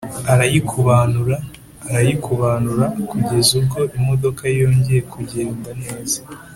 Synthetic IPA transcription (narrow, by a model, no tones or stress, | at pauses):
aɾajikʰuβanuɾaː | ɾajikuβaːnuɾakuɟe̞zuɡo̞ʔimo̞do̞kaijo̞ːɲɟe̞je̞kuɟe̞ːndane̞ːz̥a